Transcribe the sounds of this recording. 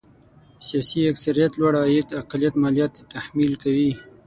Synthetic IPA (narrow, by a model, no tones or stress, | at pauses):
sijɑsiaksaɾijat̪lwaɽajet̪aqlijat̪mɑlijɑt̪̚et̪ahmilkawi